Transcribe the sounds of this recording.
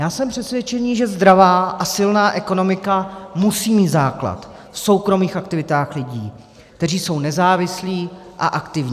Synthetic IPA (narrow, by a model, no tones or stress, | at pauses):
jaːsɛmpr̥ɛsvjɛt͡ʃɛɲiːʒɛzd̪ɾavaːʔasɪlnaːʔɛko̞no̞mɪkamusiːmiːt̪zaːkla̰t̪ | fso̞wkɾo̞miːxʔakt̪ɪvɪt̪aːxlɪɟiː | k̚t̪ɛriːso̞wnɛzaːvɪsliːʔaʔakt̪ɪvɲː